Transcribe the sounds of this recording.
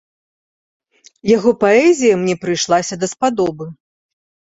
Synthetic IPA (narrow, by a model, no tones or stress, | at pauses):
jaɣɔpaɛzʲijɐmnʲɛpɾɨjʂlˠasʲɐd̪ɐspad̪ɔbɨ